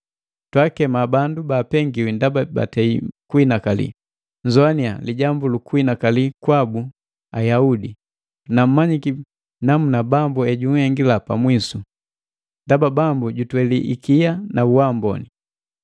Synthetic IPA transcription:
twakɛmabandubaːpɛŋɡiwindababa̰tɛikuinakalḭ | ɲzɔania̰liɟambulukuinakalikwabu | ajaudi | nam̩maɲiki | namunabambuɛɟuŋhɛŋɡilapamwisu | ndababambuɟutwɛliʔḭkijanauwambɔ̰ni

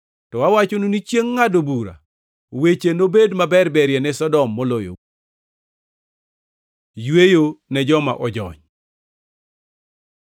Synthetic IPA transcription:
tɔwawat͡ʃonunit͡ʃjeŋːadobuɾa̰ | wet͡ʃenobedmabɛrbɛɾjɛnɛsɔdɔmːɔlojo̰ | jwejonɛd͡ʒɔma̰ʔɔd͡ʒɔ̰ɲ

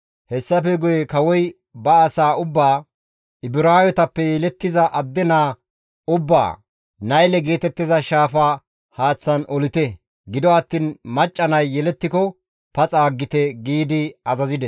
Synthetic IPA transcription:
hɛsːɐfɛɡʊjɛkɐwɔj | bɐːsaːʊbːaː | ɪbɪɾaːjɔt̪ɐpːɛjɛlɛt̪ːɪzɐʔɐd̪ːɛnaː | ʊbːa̰ː | nɐjlɛɡeːt̪ɛt̪ːɪzɐʃaːfaː | haːt͡sːɐnɔlɪt̪ɛ | ɡɪd̪ɔɐt̪ːiːnmɐt͡ʃʼːɐnɐjːɛlɛt̪ːɪkɔ | pɐt͡sʼaːɡːɪt̪ɛɡiːd̪ɪɐzɐzɪd̪ɛ

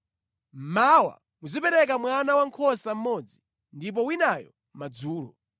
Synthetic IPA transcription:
mawa̰ | muzipɛɾɛk̬amwanawaŋkʰɔsam̩mɔd͡zi | ndip̬ɔwinajɔ̰ | mad͡zuːlɔ̰

